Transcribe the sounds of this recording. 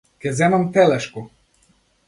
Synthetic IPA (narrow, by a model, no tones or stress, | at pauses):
kʲɛzɛmamt̪ɛlɛʃku